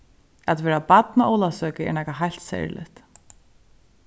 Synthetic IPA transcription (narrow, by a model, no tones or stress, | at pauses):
at̪vɛːɾapat̪naʔɔːwlasœːkɪɛ̰nahkaɦajl̥t̪sɛ̰jɹlɪ̰ht̪